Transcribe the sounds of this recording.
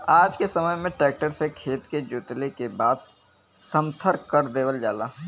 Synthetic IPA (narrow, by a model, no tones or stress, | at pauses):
aːd͡ʒkesɐməjmẽʈɾɛːk̚ʈəɾsekʰeːt̪ked͡ʒʊt̪lekebaːd̪ | sə̃mt̪ʰəɾkkːəɾd̪eːʋəld͡ʒaːlaː